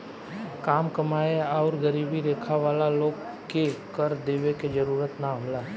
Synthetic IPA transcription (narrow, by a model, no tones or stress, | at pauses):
kaːmkəmaːeɔːɾɡəɾiːbiɾeːkʰaʋaːlaloːɡ | kekəɾd̪eːʋeked͡ʒəɾuːɾət̪naɦoːlaː